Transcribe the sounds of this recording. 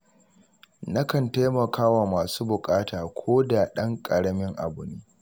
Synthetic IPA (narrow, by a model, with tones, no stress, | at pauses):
na˦kɐ˨nta˦jmɐ˨kʰaː˦wa˨maː˨suː˦bʊ˨kʼaː˦taː˨kʷʰoː˦da˨ɗɐ˦ŋkʼɐ˨ɽɐ˦mɪ˦ŋʔa̰˨bʊ˨niː˦